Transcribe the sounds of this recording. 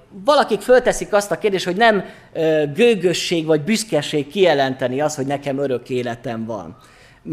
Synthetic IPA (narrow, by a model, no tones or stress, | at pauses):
vɒlɒkikfølt̪ɛsikɒst̪ɒkeːrd̪eːʃt̪ho̞ɟnɛm | ɡøːɡøʃːeːɡvɒɟbyskɛʃeːkːijɛlɛnt̪ɛniɒst̪ho̞ɟnɛkɛmøɾø̞keːlɛt̪ɛɱvɒ̰n